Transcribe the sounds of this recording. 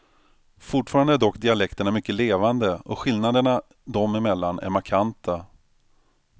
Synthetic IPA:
fʊʈfɑːɾand̪əæɖɔkːd̪ɪalɛkt̪əɳamʏkːəleːvand̪əɔɧɪlnad̪əɳa | d̪ɔmɪmɛlːanʔæ̰ɾmaɾkʰant̪ʰa

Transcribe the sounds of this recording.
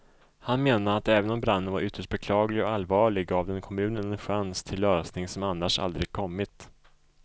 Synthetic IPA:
hanmeːnaat̪ɛːvənɔmbɾanːənvaɾʏt̪ːəʂʈ̚bɛkʰlɑːɡlɪɡɔalvɑːɭɪɡɡaːvd̪ɛnkʰɔmʉ̟ːnənɛnɧanst̪ʰɪlːøːsnɪŋsɔmanːaʂa̰ld̪ɾɪɡ̚kʰɔmːɪt̪

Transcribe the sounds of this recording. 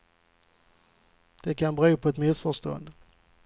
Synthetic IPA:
d̪̥ɛkʰanbɾʉːpʰɔɛt̪mɪsfœʂt̪ɔ̰ə̰nd̪

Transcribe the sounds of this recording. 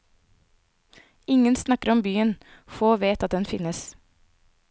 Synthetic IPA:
ɪŋənsnɑkəɾɔmbyːənfoːʋeːt̪ɑt̪̚d̪ɛnfɪnəs

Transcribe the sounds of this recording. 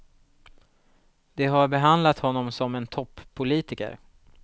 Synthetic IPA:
d̪̥ɛɦaɾbɛɦand̪lat̪hɔnːɔmsɔmɛnt̪ʰɔpʰːʊliːt̪ɪkə̰ɾ

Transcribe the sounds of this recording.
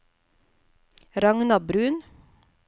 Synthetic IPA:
ɾɑŋnɑbɾʉːn

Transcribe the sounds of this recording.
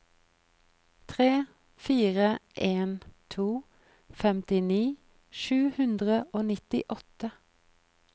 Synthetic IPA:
t̪ʰʁeː | fiːʁəʔeːnt̪ʰuː | fɛmt̪ɪniː | ʃʉːhʉnd̪ʁəʔoːnɪt̪ɪʔɔt̪ə

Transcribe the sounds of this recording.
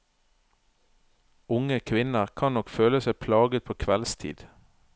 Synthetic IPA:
ʊŋəkʰʋɪnəʁkʰɑnnɔkføːləsæɪpʰlɑːɡət̪̚pʰoːkʰʋɛlst̪ʰḭːd̪̥

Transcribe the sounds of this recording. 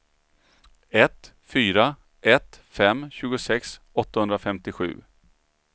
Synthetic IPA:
ɛt̪ | fyːɾa | ʔɛt̪fɛmːɕʉ̟ːɡʊsɛks | ɔt̪ːahɵnd̪ɾafɛmt̪ɪɧʉ̟̰ː

